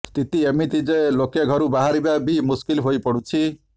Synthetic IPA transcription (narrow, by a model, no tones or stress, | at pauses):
st̪it̪iemit̪id͡ʒelokeɡʱɔɾubaɦaɾibabʱimuskilɦojpɔɽut͡ʃʰi